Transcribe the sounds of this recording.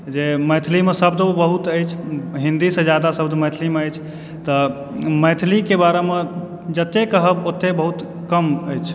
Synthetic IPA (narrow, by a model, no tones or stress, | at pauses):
d͡ʒeməjt̪ʰlimesəbd̪obəɦut̪əjt͡ʃʰɦĩnd̪isə̃d͡ʒjad̪asəbd̪məjt̪ʰlimeəjt͡ʃʰ | t̪ə | məjt̪ʰlikebaɾeme | d͡ʒət̪ːekəɦəbot̪ːebəɦut̪ | kəməjt͡ʃʰ